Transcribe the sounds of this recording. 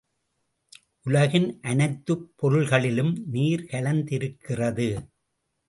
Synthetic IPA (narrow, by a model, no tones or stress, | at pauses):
ʔʊlɐɣɪnʔɐnɐɪt̪ːɯpːɔɾɯɭɣɐɭɪlɯmniːɾkɐlɐnd̪ɪɾɯkːɪrɐðɯ